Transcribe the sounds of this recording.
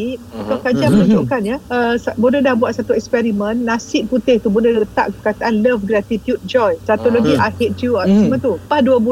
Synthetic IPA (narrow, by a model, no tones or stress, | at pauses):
ək̪ɔkəd͡ʒamənũd͡ʒoʔkanjəʔəsabədədahbuat̪̚sat̪uɛkspɛɾimə̃nːasɪʔ̚put̪ɪht̪ubunəbət̪a̰ʔkəkat̪aʔanləfɡɾat̪it̪jud̚d͡ʒɔjsat̪oʔloɡiʔajhetjuɔsmãt̪upahduəbu